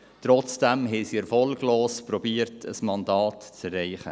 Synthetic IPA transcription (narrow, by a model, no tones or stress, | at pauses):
t̪ɾɔt͡sd̥æmɦɛsiɛɾfɔlɡloːspɾɔbiːəɾtʰə̰smɑndɑːtt͡sɛrːɛɪχə̰